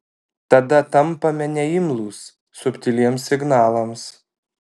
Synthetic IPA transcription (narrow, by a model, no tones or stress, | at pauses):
t̪ɐd̪ɐt̪ɐmpɐmʲɛnʲɛɪmlˠuːsː | ʊpʲt̪ʲɪlʲiɛmsːʲɪɡnɑːlˠɐms